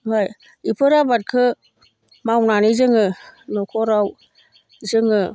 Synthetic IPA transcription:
ɦaj | ipʰɯɾabat̚kʰɯ | mawnanizɯŋɯnɔkʰɔɾaw | zɯŋɯ

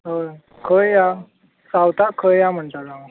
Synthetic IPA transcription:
ɦə | kʰəjja | sawt̪akʰəjjam̤əɳt̪ala

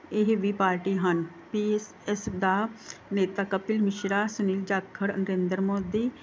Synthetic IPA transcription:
ɪɦʋiːpaːɾʈiːɦən | piːs | ɛsd̪aːneːt̪aːkəpɪlmɪʃɾaːsʊniːld͡ʒaːkʰːəɾnəɾẽːnd̪əɾmoːd̪iː

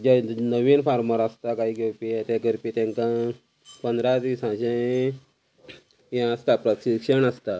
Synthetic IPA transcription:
d͡ʑanəʋinfaɾməɾəst̪akaɦiːɡewpiɛt̪ẽkəɾpit̪jãŋkã | pənd̪ɾat̪isãɕẽ | jɛ̃əst̪apɾəɕikʂəɳəst̪a

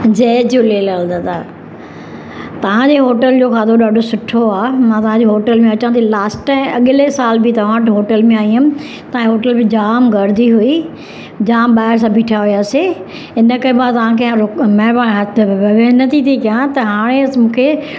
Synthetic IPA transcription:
d͡ʑɐːd͡ʑoleːləld̪aːt̪ʰaː | t̪ɐʋ̤ãd͡ʑeɦoːʈəld͡ʑoːkaːd̪ʱoɗaːɖʱosʊʈʰoaːmãt̪ɐʋ̤ãd͡ʑeɦoːʈəlmẽɐt͡ɕãt̪ʰilaːsʈãːmɐɠɪlesaːlbʱit̪ɐʋ̤ãʈɦoːʈəlmẽaːĩʊ̃ | t̪ɐãɦoːʈəlbɪ̃d͡ʑaːmɡɐɾd̪iɦui | d͡ʑaːmɓaːɪɾs̬ãːbʱiːʈʰaɦʊjaːse | ɪnə̆kɐɾemãt̪ɐʋ̤ãkʰẽɾʊmɛːɾbaːɽ̃ɦɐt̪ʰʋɐʋenɐt̪ʰit̪ʰikijãt̪ɐɦaːɽ̃emũːkʰeː

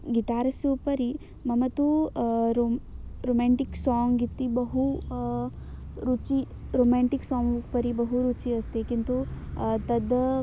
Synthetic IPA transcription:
ɡit̪aːɾɐsjoːpɐɾi | mɐmɐt̪uɾoɾoːmaːɳʈiksaːŋɡit̪ːibɐɦu | ɾut͡ʃi | ɾoːmaːɳʈiksaːŋupɐɾibɐɦuɾut͡ʃiɐst̪ekint̪ut̪ɐd̪

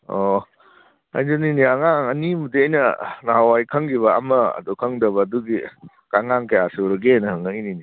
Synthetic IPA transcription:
o | a̰jduniniaŋaŋɐnimudiɐjnɐnaɦawajkʰɐŋɡiβɐɐ̰mɐɐ̰dukʰɐŋdɐβɐːduɡi | kaŋaŋkɐjaseɾɐɡenɐɦɐŋɐjnini

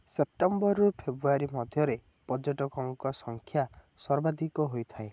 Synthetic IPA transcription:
sep̚ʈembɔɾɔpʰebɾuaɾimɔd̪ʱjɔɾe | pɔd͡ʒɔʈɔkɔŋkɔsɔŋkʰja | sɔɾbad̪ikɔɦojt̪ʰae

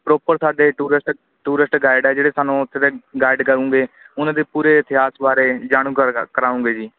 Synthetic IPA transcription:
pɾoːpəɾsaːɖeːʈuːɾɪsʈ | ʈuːɾɪsʈɡaːɪɖɛːd͡ʒeːɽeːsaːnũːʊt̪ʰːeːd̪eːɡaːɪɖkəɾũːɡeːʊnãːd̪eːpuːɾeːɪt̪ɪɦaːsbaːɾeːd͡ʒaːɽ̃ũːkəkəɾaːũːŋɡeːd͡ʒiː

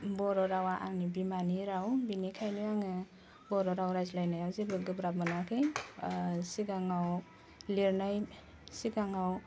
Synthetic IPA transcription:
bɔɾɔɾawaʔa̰ŋnibimaniɾawbinikʰajnuaŋɯ | bɔɾɔɾawɾajzlajnajawzibɯɡɯbɾap̚mɯnakʰɯj | siɡaŋaw | leɾnaj | siɡaŋaw

